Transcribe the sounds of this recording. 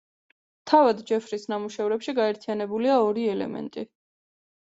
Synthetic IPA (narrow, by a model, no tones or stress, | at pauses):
t̪ʰavad̪d͡ʒɛfɾisnamuʃɛvɾɛpʃiɡaɛɾt̪ʰijanɛbuliaɔɾiɛlɛ̰mɛ̰nt̪ʼi